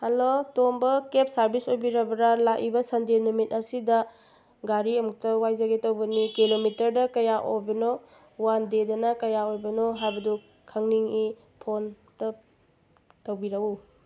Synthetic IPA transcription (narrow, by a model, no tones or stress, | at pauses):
hɐlotombɐkep̚sɐɾbisojbiɾɐbɐɾalaʔibɐsɐndenumit̚ɐsidɐ | ɡaɾiɐmuk̚tɐwajzaɡetɐwbɐnikilomitɐɾdɐkɐjaʔojbɐno | wandedɐnɐkɐjaojbɐnoɦajbɐdu | kʰɐŋniŋi | pʰon | tɐ | tɐwbiɾɐɡu